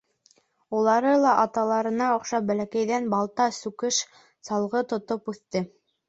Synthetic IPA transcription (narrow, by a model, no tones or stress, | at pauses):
ulˠɑɾɤlˠɑʔɑt̪ɑlˠɑɾɤ̆nɑŏqʃɑbælækæjðænbɑlˠt̪ɑsʉkɘʃ | sɑlˠʁɤt̪ŏt̪opʉθt̪ɘ